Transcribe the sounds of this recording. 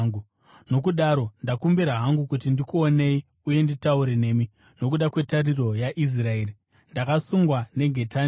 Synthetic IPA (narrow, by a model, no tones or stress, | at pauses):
ɡu | no̞kuɗaɾo̞ndakumbiɾaɦaŋɡukutindikuone̞i | uje̞nditauɾe̞ne̞ːmi | no̞k̬uɗakwe̞tariro̞jaʔis̬raeːri | ndakasuŋɡwane̞ɡʱe̞ta